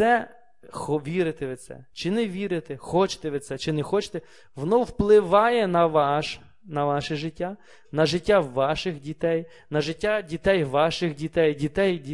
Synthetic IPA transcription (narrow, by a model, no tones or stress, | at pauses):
sɛ | xɔʋʲiɾɪt̪ɪʋɪt̪sɛ̰t͡ʃɪnɛʋʲiɾɪt̪exɔt͡ʃɪ̥t̪ɛʋɪt̪sɛt͡ʃɪnɛxɔt͡ʃɪ̥t̪ɛ | ʋɔnɔwplˠɪʋɑjɛnɐʋɑʃ | nɐʋɑʃɪʒɪtʲːa | nɐʒɪtʲːaʋɑʃɪxdʲit̪ɛj | nɐʒɪtʲːadʲit̪ɛjʋɑʃɪxdʲit̪ɛjdʲit̪ɛjdʲi